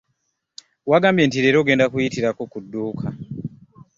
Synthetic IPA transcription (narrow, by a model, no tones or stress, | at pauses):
waːɡaːmbje̞ntiɾe̞ɾo̞ɡe̞ːndakujitiɾako̞kudːuːkʰa